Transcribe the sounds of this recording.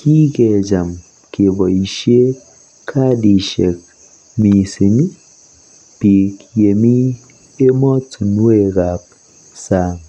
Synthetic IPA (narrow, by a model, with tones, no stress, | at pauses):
kʰi˦kɛ˨d͡ʒa˨m | ke˨bɔ˨i˨ʃi˦e˦ | kʰa˦di˨ʃe˨k̚ | mi˨si˨ni˦ | pi˨kje˨mi˦ | e˦mɔ˦tʰu˨nu˦e˦˨ɡa˨p̚ | sa˦˨ŋ